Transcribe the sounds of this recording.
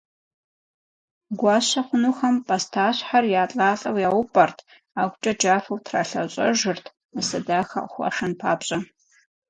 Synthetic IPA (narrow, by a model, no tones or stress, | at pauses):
ɡʷaːɕɐχʷʊnuxɐmpʼɐstʰaːɕħarjaːɬʼaːɬʼɐwjaːwʊpʼɐrtʰ | aːɡʷʼt͡ʃʼɐd͡ʒaːfɐwtʰra̰ːɬɐɕʷʼɐʒɨrtʰ | nɨsɐdaːxɐ̰ʔxʷɐ̰ʂɐnpʰaːpɕʼɐ